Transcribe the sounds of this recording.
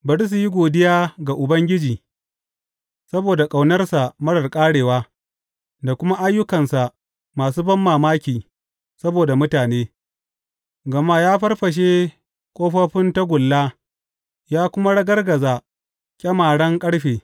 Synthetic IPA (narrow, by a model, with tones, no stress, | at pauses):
bɐ˨ɽɪ˦s̬u˨ji˦ɡʷoː˨dɪ˦jaː˦ɡa˨ʔʊ˨bɐ˦ŋɡʲɪ˦d͡ʒiː˨ | sɐ˦boː˨da˨kʼa˨wnɐ˦rsa˨mɐ˦ɽɐ˨rkʼaː˦ɽeː˨waː˦ | da˨kʷʊ˦ma˦ʔa˦jːʊ˦kɐ˨nsa˨ʔ | maː˨suː˦bɐ˦mːaː˨maː˦kʲiː˨ | sɐ˦boː˨da˨mʊ˦taː˨neː˦ | ɡɐ˨ma˦jaː˦ɸɐ˦rɸɐ˨ʃ̬e˦ | kʷʼoː˦ɸɐ˦ɸɪ˦nta˦ɡʷʊ˨lːaː˦ | jaː˦kʷʊ˦ma˦ɽɐ˦ɡɐ˦rɡɐ˨zaː˨ | kʲʼɐ˦maː˨ɽɐ˦ŋkʼɐ˦ɽɸeː˨